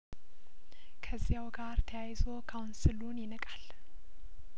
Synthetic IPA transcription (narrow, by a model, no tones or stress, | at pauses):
kʰəzːijawɡaɾt̪ʰəjajzo̞kʰawunsɨlunjɪnəkʼal